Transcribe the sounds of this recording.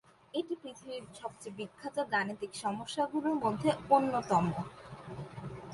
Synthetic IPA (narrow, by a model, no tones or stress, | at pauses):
eʈipɾit̪ʰibiɾʃɔb̚t͡ɕebikʰːat̪ad̪anit̪ikʃɔmoʃːaɡuɾeɾmod̪ʱːeonːot̪ɔmo